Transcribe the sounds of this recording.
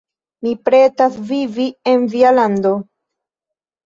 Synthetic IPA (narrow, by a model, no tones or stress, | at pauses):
mipɾetasvivie̞nvialando̞